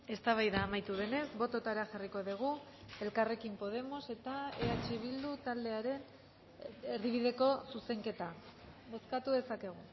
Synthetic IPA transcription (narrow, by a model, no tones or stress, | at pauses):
e̞st̪aβajðaːmajt̪uðe̞ne̞zβo̞t̪o̞t̪aɾeaʝariko̞ðiɣ̞u | e̞lkare̞kimpo̞ð̞e̞mo̞se̞t̪aeat͡ʃiβ̞ild̪ut̪ald̪e̞aɾe̞n | eɾðiβ̞iðe̞ko̞suse̞ŋke̞t̪aβo̞skat̪uðe̞sake̞ɣ̞u